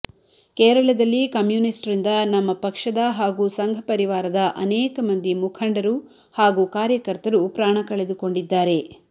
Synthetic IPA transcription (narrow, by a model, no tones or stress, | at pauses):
kɛːɾɐɭɐd̪ɐlːikɐmjuːnisʈɾind̪ɐnɐmːɐpɐkʂɐd̪ɐɦaːɡuːsɐŋɡʱɐpɐɾiʋaːɾɐd̪ɐʔɐnɛːkɐmɐnd̪imukʰɐɳɖɐɾu | haːɡuːkaːɾjɐkɐɾt̪ɐɾupɾaːɳ̃ɐkɐɭed̪uko̞ɳɖid̪ːaːɾe̞